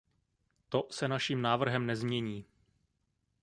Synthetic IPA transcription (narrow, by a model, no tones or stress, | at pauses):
t̪o̞sɛnaʃiːmnaːvr̩ɦɛmnɛzmɲɛɲiː